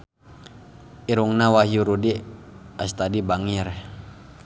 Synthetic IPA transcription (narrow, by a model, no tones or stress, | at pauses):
iɾuŋnawaɦjuɾudi | ast̪adibaŋir